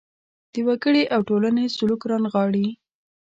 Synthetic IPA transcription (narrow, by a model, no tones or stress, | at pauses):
d̪̥əwaɡəɽeʔawʈolanesʊlukɾɑnɣɑɽi